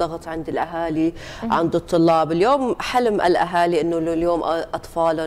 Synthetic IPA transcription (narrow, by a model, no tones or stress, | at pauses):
ɑɣt̪ˤʕɪnd̪ɪlʔaɦaːliʕɪnd̪ɨt̪ˤːʊlːɑːbɪljoːmħalmʔɪ̰lʔa̰ɦaːliʔɪnːʊljoːmʔʔɑt̪ˤfɑːlʊ